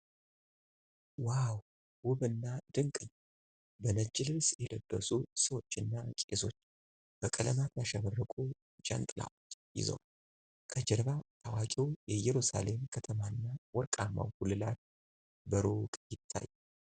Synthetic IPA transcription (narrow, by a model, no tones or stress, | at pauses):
waw | wʊβɨnːad̪ɨŋkʼɨɲː | bənət͡ʃːɪlɨlsjɛləbːəsusəwo̞t͡ʃːɨnːakʼeso̞t͡ʃː | b̥əkʼələmat̪jaʃaβərːəkʼu | t͡ʃʼə̰nt̪ʼla̰ljɪ̰zə̰w | kʰəd͡ʒɛɾβat̪awakʼiwjɛjɛɾusa̰le̞mkʰət̪ʰəmaɨnːawɔɾkʼamːa̰whulɨlat̪̚ | bəɾokʼjɪt̪ʰːa̰ju